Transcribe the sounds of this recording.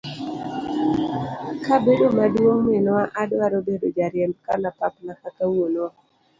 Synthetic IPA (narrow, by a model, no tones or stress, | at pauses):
kabedomadwoŋmenwaʔadwaɾobedod͡ʒaɾjɛmb̚kanapapnakatawonwa